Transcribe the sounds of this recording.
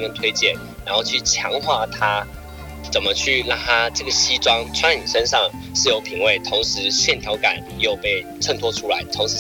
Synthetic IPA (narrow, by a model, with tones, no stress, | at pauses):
ə˧˥˩ŋt̪ʰwe˥ɪt͡ɕjɛ˥˩n | ɻa˧˥nxo˥˧ʊt͡ɕʰy˥˩t͡ɕʰjɑ˧˥ŋxwa˥˩t̪ʰa˥ | t͡sə˨˩nmə˦t͡ɕʰy˥˩la˥˩ŋt̪ʰa˥ʈ͡ʂɤ˥˩ɡə˩ɕi˥ʈ͡ʂwɑ˥ŋʈ͡ʂʰwa˥ni˨˩ʂə˥nʂɑ˥˧ŋ | ʂɻ̩˥˩jo˧˥ʊpʰi˧˥ŋwe˥˩ɪt̪ʰʊ˧˥ŋʂɻ̩˧˥ɕjɛ˥˩nt̪ʰjɑ˧˥ʊka˨˩˦njo˥˧ʊpe˥˧ɪʈ͡ʂʰə˥˧ŋt̪ʰwɔ˥ʈ͡ʂʰu˥la˧˥ɪt̪ʰʊ˧˥ŋʂɻ̩˧˥